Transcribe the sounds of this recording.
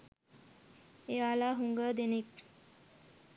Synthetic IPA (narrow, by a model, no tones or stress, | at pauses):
eʋalaɦuŋɡəd̪enek